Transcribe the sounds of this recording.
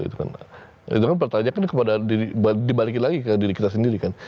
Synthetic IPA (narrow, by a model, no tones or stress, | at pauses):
ḭt̪uka̰n | ḭt̪ukanp̬ərt̪aɲakankəpadadiɾibadibalik̬ɪnlaɡikədiɾikit̪as̬əndiɾikan